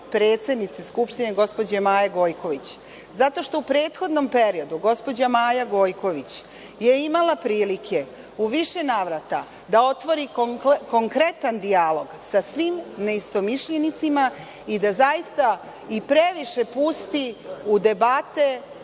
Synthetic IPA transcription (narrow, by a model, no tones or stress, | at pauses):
pɾe̞ːt̪sʲe̞d̪nit̪seskupʃt̪ineɡo̞spo̞d͡ʑemaːjaɡo̞ːjko̞ʋit͡ɕ | zat̪o̞ʃt̪o̞upɾe̞ːt̪xo̞d̪no̞mpe̞ɾio̞d̪uɡo̞spo̞d͡ʑamaːjaɡo̞ːjko̞ʋit͡ɕ | je̞imalˠapɾiːlikʰe̞ | uʋiʃe̞naːʋɾat̪a | d̪ao̞t̪ʋo̞ɾiko̞ŋkɾe̞t̪and̪ialo̞ɡsasʋimne̞ist̪o̞miʃʎenit̪sima | id̪azajist̪a | ipɾeʋiʃe̞pust̪iud̪e̞bat̪e̞